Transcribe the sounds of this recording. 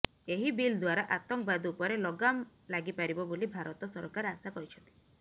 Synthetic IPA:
eɦibild̪waɾaʔat̪ɔŋkbad̪uːpɔɾelɔɡamlaɡipaɾibɔbolibʱaɾɔt̪ɔsɔɾɔkaɾasakɔɾit͡ʃʰɔnt̪i̥

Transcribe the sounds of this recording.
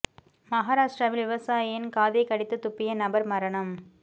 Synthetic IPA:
mɐɦaːɾaːʂʈɾɐʋɪlʋɪʋɐsaːjjɪnkaːðɐɪkːɐɽɪt̪ːɯt̪ːʊpːɪjɐnɐbɐɾmɐɾɐɳɐm

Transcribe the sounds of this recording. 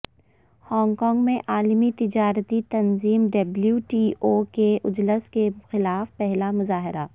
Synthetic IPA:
hɔ̃ːŋɡkɔ̃ːŋɡmẽʔaːlmit̪ɪd͡ʒaːɾət̪it̪ɐnziːmɖɐbljuʈiːʔoːkeʔʊd͡ʒləskexɪlaːfpɛɦlamʊzaːɦɪɾa

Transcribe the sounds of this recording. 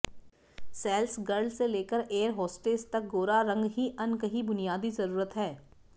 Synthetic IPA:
sɛːlsɡɐɾɖseleːkəɾeːəɾɦɔːsʈeːst̪ɐk̚ɡoːɾaɾɐ̃ŋɡɦiʔɐnkəɦibʊnijaːd̪izɐɾuːɾət̪ɦɛː

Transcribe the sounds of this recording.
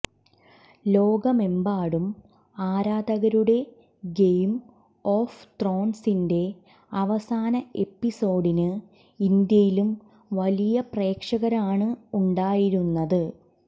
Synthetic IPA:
lo̞ːɡɐme̞mbaːɽum | aːɾaːd̪ɐɣɐɾuɽe̞ | ɡejm | oːft̪ro̞ːnsinde̞ | ɐʋɐsaːnɐe̞pːiso̞ːɽinɨ | ind̪jɐjilum | ʋɐlijɐpre̞ːkʂɐɣɐɾaːɳɨuɳɖaːjiɾunːɐðɨ

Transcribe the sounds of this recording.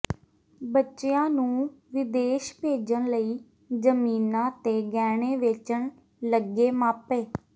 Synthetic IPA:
bətːʃejãːnũːʋɪd̪eːʃbʱeːd͡ʒəɳləiː | d͡ʒəmiːnãːt̪eːɡɛːɽeːʋɪt͡ʃəɳ | ləɡeːmaːpeː

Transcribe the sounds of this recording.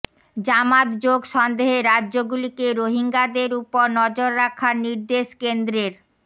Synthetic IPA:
d͡ʑamat̪d͡ʑoɡʃɔnd̪eɦeɾadːoɡulikeɾoɦiŋɡad̪eɾupoɾnɔd͡ʑoɾːakʰaɾniɾd̪eʃkend̪ɾeɾ

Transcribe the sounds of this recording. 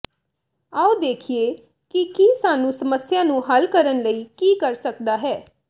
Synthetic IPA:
aːod̪eːkʰieː | kikisaːnũːsəməsɪjaːnũːɦəlkəɾənləiːkiːkəɾsəkd̪aːɦɛː

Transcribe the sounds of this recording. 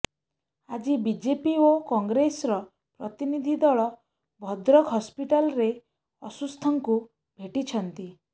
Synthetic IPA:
ad͡ʒibid͡ʒepiokɔŋɡɾesɾɔ | pɾɔt̪inid̪ʱid̪ɔɭɔ | bʱɔd̪ɾɔkɦɔspiʈalɔɾe | ɔsust̪ʰɔŋku | bʱeʈit͡ʃʰɔnt̪i

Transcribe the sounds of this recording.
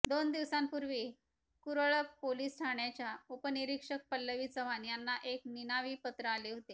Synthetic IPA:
d̪ond̪iʋsampuɾʋiː | kuɾəɭəkpoliːsʈʰaɳjat͡ɕjaupəniɾikʂək̚pəlːəʋiːt͡səʋanjanːaʔekninaʋiːpət̪ɾəaleɦot̪e

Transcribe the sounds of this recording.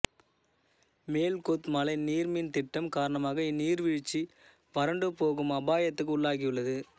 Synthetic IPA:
meːlkoːt̪mɐlɐɪniːɾmint̪ɪʈːɐmkaːɾɐɳɐmaːɣɐɪniːɾʋɪɻɪt͡ʃːi | ʋɐɾɐɳɖɯpːoːɣɯmɐbaːjɐt̪ːɯkːʊɭːaːɣɪjɯɭːɐðɯ

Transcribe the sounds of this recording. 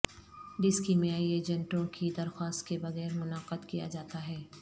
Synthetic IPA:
ɖɪskimeaːieːd͡ʒɛ̃ɳʈõkʰid̪ɐɾxwaːst̪̚kebɐɣɛːɾmʊnaːqəd̪kija̰d͡ʒaːt̪aɦɛː

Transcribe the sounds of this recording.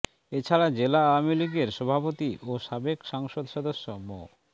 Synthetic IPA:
et͡ɕʰaɽad͡ʑelaawmiliɡeɾʃɔbʱapot̪iʔoʃabekʃaŋʃod̪ʃɔd̪oʃːomo̰

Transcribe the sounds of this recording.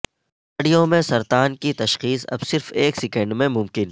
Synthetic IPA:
ɖijõmẽsɐɾt̪aːnkit̪ɐʃxiːsɐ̰bsɪɾfeːksɛkɛ̃ɳɖmẽmʊ̃mkɪn

